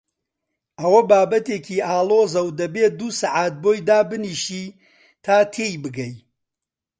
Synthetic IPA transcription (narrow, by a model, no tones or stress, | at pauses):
ʔɐwɐbaːbɐt̪eːkʰiːʔaːlˠoːzɐwd̪ɐbeːd̪uːsaʕaːt̪̚boːjd̪aːbɨniːʃiː | t̪ʰaːt̪ʰeːjbɨɡɐj